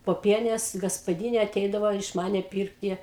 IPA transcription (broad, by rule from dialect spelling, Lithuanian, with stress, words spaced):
poːˈpʲiɛnʲeːs ɡɐspɐˈdʲiːnʲeː ɐˈtʲɛɪdɐʋoː ɪʃ ˈmɑːnʲɛ ˈpʲiːrktʲɪ